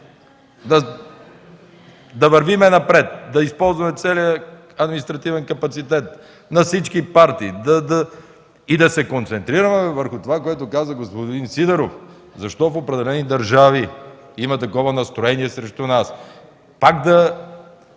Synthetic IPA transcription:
d̪ɐ | d̪ɐvɐɾvimɛnɐpɾɛt̪d̪ɐispɔlˠzvɐmɛt̪sɛlijə | ɐd̪minist̪ɾɐt̪ivɛnkɐpɐt̪sit̪ɛt̪̚ | nɐfsit͡ʃkipaɾt̪iːd̪ɐd̪ɐ | id̪ɐsɛkont̪sɛnt̪ɾiɾəmɛvəɾxʊt̪ovakoɛt̪ʊkazəɡospod̪insid̪ɛɾof | zɐʃt̪ɔfopɾɛd̪ɛlɛnid̪ɐɾʒavi | imɐt̪ɐkɔvɐnɐst̪ɾoɛniɛsɾɛʃt̪unas | pakd̪ɐ

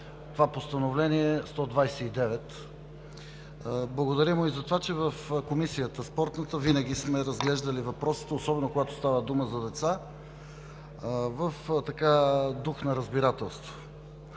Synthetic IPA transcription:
t̪ovapost̪ɐnovlɛniɛst̪ɔd̪vajsɛid̪ɛvɛt̪ | blˠəɡod̪ɐɾimʊizɐt̪ovat͡ʃɛvəfkomisijət̪əspɔɾt̪nət̪əvinəɡ̟ʲismɛɾɐzɡlɛʒd̪əlivɐpɾɔsi̥t̪ɛosɔbɛnokoɡat̪o̥st̪avəd̪uməzɐd̪ɛt̪sa | vəft̪ɐkad̪uxnɐɾəzbiɾat̪ɛlˠst̪vo̥

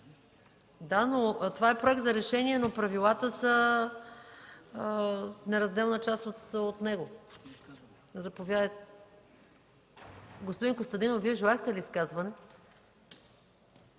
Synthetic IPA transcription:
d̪anot̪ovaɛpɾoɛk̚t̪zɐɾɛʃɛniɛnopɾɐvilˠat̪əsə | nɛɾɐzd̪ɛlˠnət͡ʃast̪ot̪ot̪nɛɡo | nɛzɐpovʲjad̪t̪ | ɡospod̪inkost̪ɐd̪inoviɛʒɛlˠaɛxt̪ɛliːskazvɐnɛ

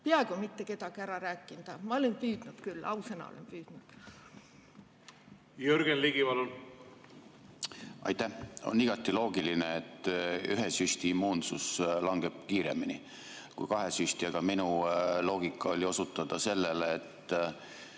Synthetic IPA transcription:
peɑeɡ̥umit̪ːe̞ke̞d̪̥ɑɡ̥iæɾɑɾæːkːˑind̪̥ɑmɑolempyːd̪̥nud̪̥kylːɑusenɑ̰o̰lḛmpyːd̪̥nud̪̥ | jøɾɡ̥enliɡivɑlun | ʔɑ̰jt̪æho̞̰niɡ̥ɑt̪ːˑilo̞ːɡilineet̪ːˑyɦesjusʲt̪iːmːuːnsuslɑŋɡ̥e̞b̥̚kiːɾe̞̰mini | kṵjkɑɦe̞sysʲt̪iɑɡ̥ɑminulo̞ːɡ̥ikːˑɑolʲio̞sut̪ːˑɑd̪̥ɑse̞lːeleːt̪ːˑ

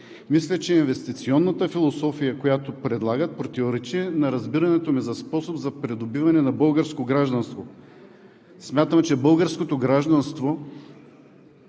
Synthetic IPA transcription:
mislʲɛt͡ʃɛinvɛst̪it̪siɔnːət̪əfilˠosɔfijəkojat̪opɾɛd̪lˠaɡət̪̚pɾot̪ioɾɛt͡ʃiɛnɐɾɐzbiɾɐnɛt̪omizɐspɔsobzɐpɾɛd̪obivɐnɛnɐbɤlˠɡəɾskoɡɾaʒd̪ɐnst̪vo | smʲjat̪əmt͡ʃɛbɤlˠɡəɾskot̪oɡɾaʒd̪ɐnst̪vo

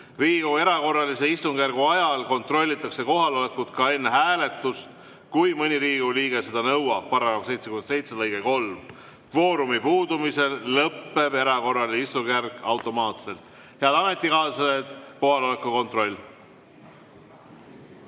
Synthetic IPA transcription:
riːɡ̥ue̞ɾɑko̞rːɑlise̞ist̪uŋɡ̥ærɡuɑjɑlko̞nt̪ro̞lʲːit̪ːˑɑkse̞ko̞ɦɑlo̞lekːˑut̪kɑe̞nːeɦæːle̞t̪ːˑust̪ | kujmɤnʲiɾiːɡ̥uliːɡ̥e̞se̞d̪̥ɑnɤwɑb̚pɑɾɑkɑvse̞jt̪sekymense̞jt̪selɤjɡ̥eko̞lm | fo̞ːɾumipuːd̪umise̞lːɤpːe̞b̥e̞ɾɑko̞rːɑlineist̪uŋɡærkɑwt̪ːˑo̞mɑːt̪se̞lt̪ˑ | heɑd̪̥ɑmet̪ːikɑːsɑet̪ko̞hɑlo̞lekuko̞nt̪ro̞lʲː

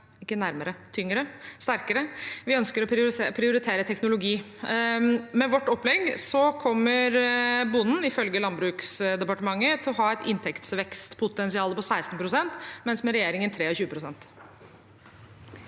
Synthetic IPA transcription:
ɪkːənæɾməɾət̪ʰʏŋɾəst̪æɾkəɾəʋɪœnskəɾɔpʰɾɪʊɾɪt̪ʰeːɾət̪ʰɛknʊlʊɡiː | mɛʋɔʈːɔpːlɛɡsɔkʰɔmːəɾbʊnːn̩ɪfœlɡəlɑnbɾʉːksd̪ɛpɑʈəmɑŋːət̪ʰɪɔɦɑːɛt̪ʰɪnt̪ʰɛkt̪sʋɛkst̪pʰʊt̪ɛnsɪɑːləpɔsæɪst̪npʰɾʊsɛnt̪mɛnsmɛɾɛjeːɾɪŋənt̪ʰɾeːɔɕʉːəpʰɾʊsɛnt̪

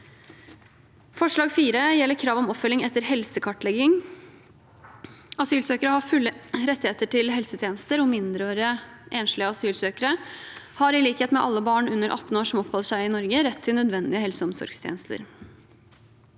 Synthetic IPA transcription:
fɔʂɭɑːɡfiːɾəjɛlːəɾkʰɾɑːʋɔmɔpfœlːɪŋɛt̪ːəɾhɛlsəkʰɑʈːɭɛɡɪŋ | ɑsyːlsøːkəɾəhɑfʉlːəɾɛt̪ːɪeːt̪əʈʰɪlɦɛlsət̪ʰjeːnəst̪əɾɔmɪnd̪ɾøːɾəʔeːnʂlɪəɑsyːlsøːkəɾə | hɑɾɪliːkheːt̪mɛʔɑlːəbɑːɳʉnːəɾʔɑ̰t̪ːn̩oːʂɔmɔpʰhɔlːəʂæɪɪnɔɾɡəɾɛt̪ʰːɪlnœd̪ʋɛnd̪ɪəɦɛlsəɔmsɔ̰ɾɡst̪ʰjḛnəst̪ʰə̰ɾ

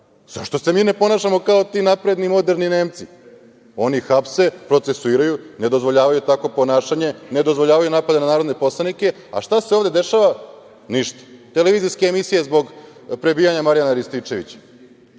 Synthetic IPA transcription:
z̥aʃt̪o̞se̞miːne̞po̞naʃamo̞kao̞t̪inapɾe̞d̪nimo̞d̪e̞ɾnine̞ːmt̪si | o̞nixapse̞pɾo̞t̪se̞suiːɾajune̞d̪o̞zʋo̞ʎaːʋajut̪ako̞po̞naːʃaɲe̞ne̞d̪o̞zʋoʎaːʋajunaːpad̪enanaːɾod̪ne̞po̞slˠanike̞ | a̰ʃt̪aseo̞ːʋd̪e̞d̪e̞ʃaʋa | niʃt̪ḁt̪e̞leʋiːziskeːmisije̞zbo̞ɡ | pɾe̞biːjaɲamaɾijanaɾist̪it͡ʃe̞ʋḭt͡ɕḁ

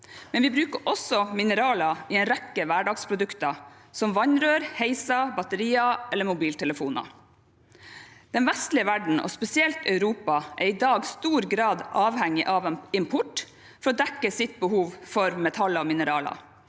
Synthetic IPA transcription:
mɛnʋɪbɾʉːkəɾʔɔsɔmɪnəɾɑːlɑɪɛnɾɛkːəʋæːɖɑːɡspʰɾʊd̪ʉkt̪ɑsɔmʋɑɲɾøːɾheɪsɑbɑt̪əɾiːɑʔɛlːəmʊbiːlt̪ʰɛləfuːnɑ̰ | d̪̥ɛnʋɛst̪lɪəʋæɖɳ̩ʔɔ̰spɛsɪɛlt̪œʉɾuːpɑʔæɾɪd̪ɑːɡst̪uːɾɡɾɑːd̪ʔɑːʋhɛŋɪʔɑʋɪmpʰʊʈ | fɔɾɔːd̪ɛkːəsɪt̪̚bəhuːʋfɔɾmɛt̪ʰɑlɔmɪnəɾɑːlɑ̰

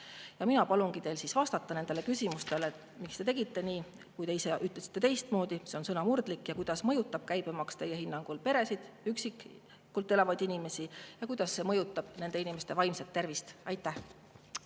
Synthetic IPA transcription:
jɑminɑpɑlunɡ̥it̪e̞jlsisvɑst̪ɑt̪ːˑɑne̞nd̪elekysʲimust̪e̞let̪ | mikst̪e̞t̪e̞ɡ̥it̪ːe̞niː | kujt̪e̞ise̞ʔyt̪lesi̥t̪ːˑe̞t̪e̞jst̪mo̞ːd̪̥iseonsɤnɑmurd̪likːˑjɑkujd̪̥ɑsmɤjut̪ːˑɑb̥̚kæjb̥emɑkst̪e̞jːe̞hinːɑŋɡ̥ulpe̞ɾe̞sid̪̥yksik | kːult̪ːˑe̞lɑvɑjd̪̥inime̞sijɑkujd̪̥ɑsːe̞mɤ̞jut̪ːˑɑb̥ne̞nd̪̥e̞inimest̪e̞vɑjmset̪ːe̞rvist̪ɑjt̪ːˑæh

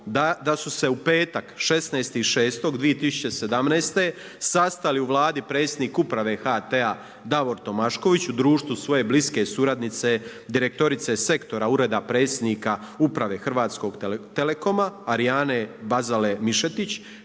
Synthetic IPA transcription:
d̪ad̪asuse̞upe̞ːt̪akʃe̞sneːst̪iiʃe̞ːst̪o̞ɡd̪ʋijet̪isu̥t͡ɕe̞se̞d̪amnɛːst̪e̞ | sast̪aliuʋlaːd̪ipɾe̞t̪sʲed̪niːkupɾaʋe̞xat̪ea | d̪aʋo̞ɾt̪o̞maʃko̞ʋit͡ɕud̪ɾuːʃt̪ʋusʋo̞je̞bliske̞suɾad̪nit̪se | d̪iɾe̞k̚t̪o̞ɾit̪se̞se̞kt̪o̞ɾauɾe̞d̪apɾe̞ːt̪sʲjed̪niːkaupɾaʋe̞ːxr̩ʋaːt̪sko̞ɡt̪ele̞ko̞maːɾijaːne̞bazale̞miʃe̞t̪it͡ɕ

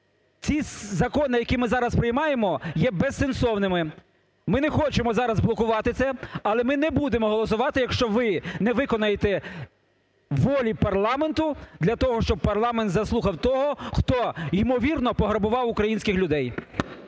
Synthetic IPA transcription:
t͡sʲizɐkɔnɪjɐkʲimɪzɑɾɐspɾɪjmɑjemɔjɛbesːensɔwnɪmɪ | mɪnɛxɔt͡ʃemɔzɑɾɐzblˠɔkʊʋɑt̪ɪt̪sɛɐlˠɛmɪnɛbud̪emɔɦɔlˠɔsʊʋɑt̪ɪjɐkʃt͡ʃɔʋɪnɛʋɪkɔnɐjet̪ɛ | ʋɔlʲipɐrlˠɑment̪ʊd̪lʲɐt̪ɔɦɔʃt͡ʃɔb̚pɐrlˠɑment̪zɐslˠuxɐwt̪ɔɦɔxt̪ɔimɔʋʲirnɔpɔɦɾɐbʊʋɑwʊkɾɐjinʲsʲkɪxlʲʊd̪ɛj

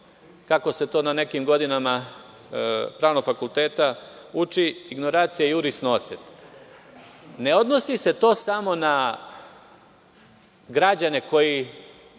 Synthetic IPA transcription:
kako̞se̞t̪o̞ːnane̞kimɡo̞d̪inama | pɾaːʋnoɡfakulˠt̪e̞ːt̪a | ut͡ʃiːɡno̞ɾaːt̪sijajuɾisnot̪set̪ | ne̞o̞d̪no̞sise̞t̪o̞ːsamo̞na | ɡɾad͡ʑane̞ko̞ji

